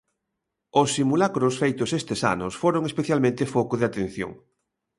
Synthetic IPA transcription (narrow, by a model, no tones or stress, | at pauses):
ʊsːimulakɾʊsfejt̪ʊsest̪esa̰nʊsfoɾoŋespeθjalmẽnt̪efokʊðɪat̪ẽn̟θjo̰ŋ